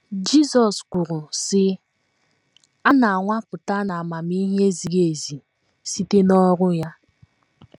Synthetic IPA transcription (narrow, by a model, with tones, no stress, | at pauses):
d͡ʒi˦sɔ˨skʷʊ˨ɾʊ˨sɪ˦ | a˦na˨a˨ŋʷa˦pʊ˨ta˦na˨a˨ma˨mi˦ɦe˦zi˨ɣe˨zi˨ | si˦te˦nɔ˦ɾʊ˦ja˦